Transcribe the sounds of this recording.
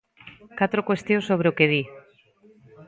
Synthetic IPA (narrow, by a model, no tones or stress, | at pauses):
kat̪ɾokwest̪jõsoβ̞ɾeokeð̞i